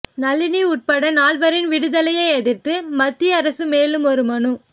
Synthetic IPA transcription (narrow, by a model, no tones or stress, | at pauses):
nɐlːɪniʊʈ̚pɐɽɐnaːɭʋɐɾɪnʋɪɽɯðɐlɐjɐɪɛðɪɾt̪ːɯmɐt̪ːiɐɾɐsɯmeːlɯmɔɾɯmɐɳɯ